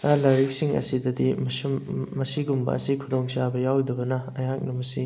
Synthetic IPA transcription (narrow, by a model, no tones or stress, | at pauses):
ɐlɐɾik̚siŋɐ̰sidɐdimsmɐsiɡumbɐ̰ɐ̰sikʰudoŋsabɐjawdɐbɐnɐɐjak̚nɐmɐsi